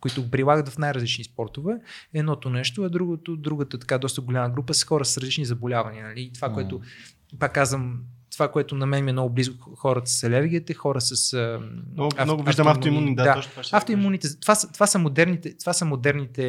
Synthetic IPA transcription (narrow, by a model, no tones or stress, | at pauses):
koit̪ʊɡopɾilˠaɡət̪vɐfnajɾɐzlit͡ʃnispɔɾt̪ovɛɛd̪nɔt̪onɛʃt̪oɐd̪ɾuɡot̪od̪ɾuɡət̪ət̪ɐ̥kad̪ɔst̪əɡolʲaməɡɾupəsə̥xɔɾəsəsɾɐzlit͡ʃnizɐbolʲavɐniənɐliːt̪ovakoɛt̪o | pakːazvɐmt̪ovakoɛt̪ʊnɐmɛnmiɛmnɔɡʊblizkʊxɔɾət̪ssɛlʲɛvɡʲiət̪əxɔɾəsəsə | anɔɡʊvʒd̪maft̪oimunid̪aaft̪oimunit̪ɛzt̪ovasət̪ovasəmod̪ɛɾnit̪ɛt̪ovasəmod̪ɛɾnit̪ɛ